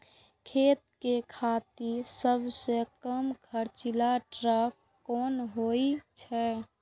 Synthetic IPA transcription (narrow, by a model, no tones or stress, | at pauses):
kʰeːt̪̚kekʰaːt̪iɾsəbʱsekəmkʰəɾt͡ʃilaʈɾəkː | ɔːnɦoit͡ʃʰɛ